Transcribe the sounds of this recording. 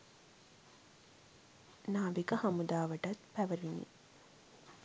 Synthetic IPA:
naːʋikɐhɐmud̪aːʋɐʈɐt̪pæʋɐɾinḭ

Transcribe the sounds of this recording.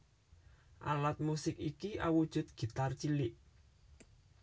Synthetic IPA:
ʔa̰lat̪̚musɪkikiʔa̰wud̥ʒ̥ʊ̤t̪̚ɡ̥i̤t̪art͡ʃilɪʔ

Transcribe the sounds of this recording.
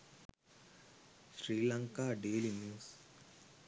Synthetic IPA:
ʃɾiːlaŋkaːɖeːlimjuːs

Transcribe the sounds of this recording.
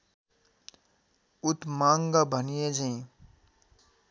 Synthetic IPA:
ut̪maŋɡʌbʱʌnijed͡zəĩ

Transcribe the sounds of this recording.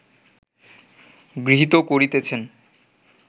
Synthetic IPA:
ɡɾiɦit̪okoɾit̪et͡ɕʰen

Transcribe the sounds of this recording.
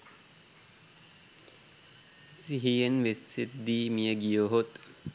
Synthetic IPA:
siɦijenʋeset̪̚d̪iːmiəɡijoɦot̪

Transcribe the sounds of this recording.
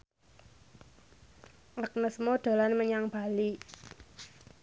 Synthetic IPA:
ʔak̚nəsmoɖ̪̥a̤lanməɲaŋb̥a̤li

